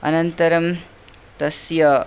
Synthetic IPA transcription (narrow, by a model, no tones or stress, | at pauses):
ɐ̰nɐnt̪ɐɾɐm | t̪ɐsjɐ